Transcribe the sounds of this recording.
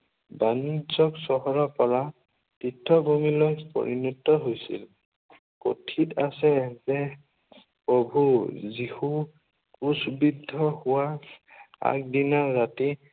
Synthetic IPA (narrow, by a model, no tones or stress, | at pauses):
banizɔksɔɦɔɹɔpɔɹa | titʰːɔbomilojpo̰ɹinutːɔɦojsḭl | ko̰tʰita̰sɛzɛ | pɹɔbʱuzihu | kusbidʱːɔhʊwa | a̰k̚dinaːati